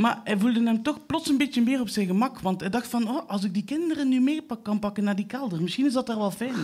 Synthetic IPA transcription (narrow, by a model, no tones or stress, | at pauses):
maːrɛvulˠdənɦɛmtɔxplɔtsənbɪtjənmɪːrɔpsɛjnɣəmɑkʋɑntɛdɑxtfɑnoːʔɑlˠs̬ɪɡ̚dikɪndərənːymeːpɑkkːɑnpɑkənːaːrdikɛlˠdərmɪsxinɪzdɑtaːrʋɛlˠfɛjn